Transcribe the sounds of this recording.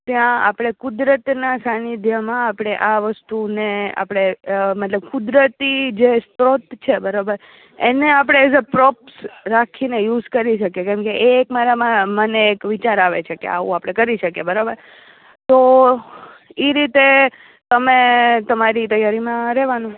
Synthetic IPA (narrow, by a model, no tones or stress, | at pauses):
t̪jãa̰pɽ̃ekʊd̪ɾət̪nasanid̪ʱjəmãːpɽ̃eʔaʋəst̪unea̰pɽ̃emət̪ləb̚kʊd̪ɾət̪id͡ʒest̪ɾot̪t͡ʃʰebəɾabəɾ | ḛneapɽ̃eːs̬əpɾɔpsɾakʰinejud͡ʒkəɾiʃʰəkekɛ̃mkeʔeːkmaɾamãməneːkʋit͡ʃaɾaʋet͡ʃʰekḛa̰ʋṵ̃apɽ̃ekəɾiʃəkebəɾabəɾ | t̪o | iɾit̪e | t̪əmẽt̪əmaɾit̪əjaɾimãɾɛʋanũ